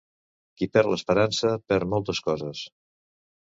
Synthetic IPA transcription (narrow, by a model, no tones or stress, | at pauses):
kipɛɾləspəɾansəpɛɾmɔlˠt̪əskɔzəs